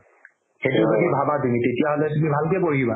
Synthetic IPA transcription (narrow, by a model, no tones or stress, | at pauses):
xetʊloɡibʱabatumitetijaɦolɛtumibʱalkɛpoɹiba